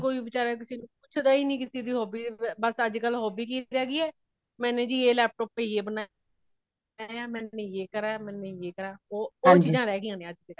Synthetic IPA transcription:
koːiːbɪt͡ʃaːɾaːk̬ɪsiːnũːkʊt͡ʃʰd̪aːiːnĩːkɪsiːd̪iːɦoːbiːbəsəd͡ʒkəlɦoːbiːkiːɾɛːɡiːɛː | mɛ̃ːnẽːd͡ʒiːeːlɛːp̚ʈɔːppeiːeːbəna | jaːmɛ̃ːnẽjeːkəɾaːmɛ̃ːnejeːkəɾaːoːoːt͡ʃiːzãːɾɛːɡiãːnẽːəd͡ʒt̪eː

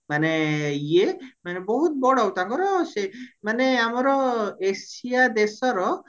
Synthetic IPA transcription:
maneijemanebɔɦut̪̚bɔɽɔwt̪aŋkɔɾɔsemaneamɔɾɔesiad̪esɔɾɔ

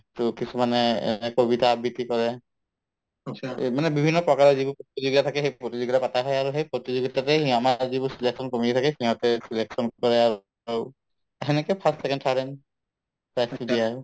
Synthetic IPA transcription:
tʊkisumanɛɛ̰ɛkobitabitikɔɹɛ | manɛbibʱinːɔpɹɔkaɹɔzibupɹotizuɡitatʰakɛxejpɹotizuɡitapataɦɔjaɹuxejpɹotizuɡitatɛhiamazibusileksɔnkomititʰakɛhiɦɔtɛsileksɔnkɔɹɛa | u | ɦɛnɛkɛpʰastsɛkɛntʰaɹɛn | pajstidia

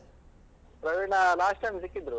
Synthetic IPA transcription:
pɾɐʋeɳɐlaːsʈɐjmisikːid̪ɾu

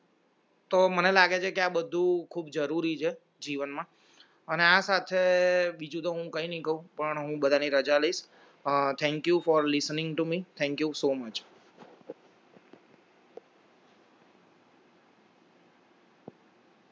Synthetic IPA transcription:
t̪omənelaɡet͡ʃʰekeabəd̪ʱũkʰuːb̚d͡ʒəɾuɾit͡ʃʰe | d͡ʒiʋənmã | əneasat̪ʰebid͡ʒũt̪oɦũkəɦĩnəɦĩkəɦũpəɳɦũbəd̪ʱaniɾəd͡ʒaləiʃ | t̪ʰɛ̃ŋkjufɔɾlɪsnɪ̃ŋɡʈumit̪ʰɛ̃ŋkjusomət͡ʃ

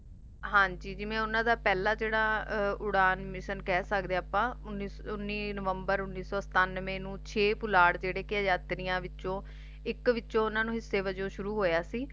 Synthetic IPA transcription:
ɦãːɲd͡ʒiːd͡ʒɪʋẽːʊnãːd̪aːpɛːlãːd͡ʒeːɽaːʊɽaːnmɪʃənkɛːsəkd̪eaːpãːʊni | ʊnːiːnəʋəmbəɾʊnːiːsɔːsə̥t̪aːnːʋẽːnũːt͡ʃʰeːpʊlaːɽd͡ʒeːɽeːkɪad͡ʒaːt̪ɾijãːʋɪõː | ɪkʋɪõːʊnãːnũːɦɪsːeːʋəd͡ʒõːʃʊɾuːɦoːjaːsiː

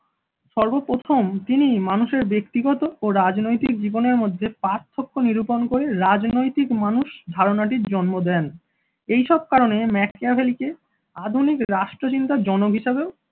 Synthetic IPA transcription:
ʃɔɾbopɾot̪ʰomt̪inimanuʃeɾbekt̪iɡɔt̪ooɾad͡ʑnojt̪ik̚d͡ʑiboneɾmod̪ʱːepaɾt̪ʰːokʰːoniɾuponkoɾeɾad͡ʑnojt̪ikmanuʃd̪ʱaɾonaʈiɾd͡ʑɔnmod̪ɛn | ejʃɔb̚kaɾonemɛk̚ʰabʱelike | ad̪ʱunikɾaʃʈɾot͡ɕint̪ad͡ʑɔnoɡɦiʃebeo

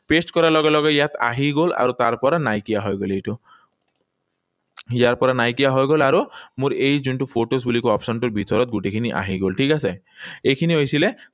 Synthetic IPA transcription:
pesʈkɔɾalɔɡalɔɡɔjat̪a̰ɦiɡola̰ɾut̪aɾpɔɾanajkijaɦɔjɡolejʈu | jaɾpɔɾanajkijaɦɔjɡolaɾumuɾejd͡ʒuɳʈupʰoʈos̬bulikuɔpsɔnʈuɾbʱit̪ɔɾɔt̪̚ɡuʈekʰiniʔa̰ɦiɡolʈʰikase | ekʰiniɦojsile

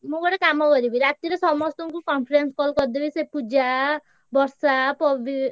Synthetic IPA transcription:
mũbɔʈekamɔkɔɾibiɾat̪iɾesɔmɔst̪ɔŋkukɔnpʰiɾenskɔlkɔɾd̪ebisepud͡ʒa | bɔɾsapɔi

